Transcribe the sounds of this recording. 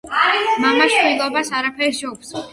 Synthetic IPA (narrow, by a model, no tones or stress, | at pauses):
mamaʃilˠɔbasaɾapʰɛɾʃɔks